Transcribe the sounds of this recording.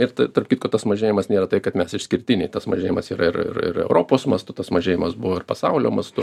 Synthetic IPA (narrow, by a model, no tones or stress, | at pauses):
ɪɾt̪ɐɐrpkʲiːt̪koːt̪ɐsmɐʒʲeːjɪmɐsnʲeːɾɐt̪ɐɪkɐt̪mʲɛsɪʃsʲkʲɪɾʲt̪ʲɪnʲɛɪt̪ɐsmɐʒʲeːjɪmɐsiːɾɐɪɾɪ̰rɪ̰ɾɛ̰ʊɾoːpoːsmɐst̪ʊt̪ɐsmɐʒʲeːjɪmɐsbʊʋoːɪrpɐsɐʊlʲoːmɐst̪ʊ